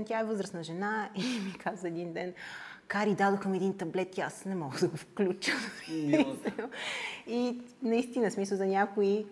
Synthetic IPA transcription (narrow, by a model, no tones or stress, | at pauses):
nt̪ʲaɛvɤzɾəsnəʒɛnaimikʰazvəɛd̪ind̪ɛn | kaɾid̪ad̪oxəmɛd̪int̪ɐblɛt̪iasnɛmɔɡəd̪ɐɡofklʲut͡ʃəm | inɐist̪inəsmisəlˠzɐnʲakoi